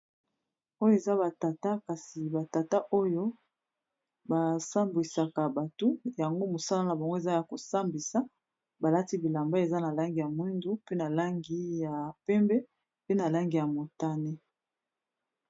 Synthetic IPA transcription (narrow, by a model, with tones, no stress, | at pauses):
o˦jo˦e˨za˦βa˨ta˨ta˦ka˨si˨ba˨ta˨ta˦ʔo˦jo˦ | ba˨sa˦mbi˨sa˨ka˨ba˨to˦ja˨ŋɡo˦mo˨sa˦la˦na˨ba˨ŋɡo˦e˨za˦ja˨ko˨sa˦mbi˨sa˦ | ba˨la˦ti˦bi˨la˨mba˦e˨za˦na˨la˦ŋɡi˨ja˨mwi˦ndu˦pe˦na˨la˦ŋɡi˦ja˨pɛ˦mbɛ˦ | pe˦na˨la˦ŋɡi˨ja˨mo˨ta˦ne˦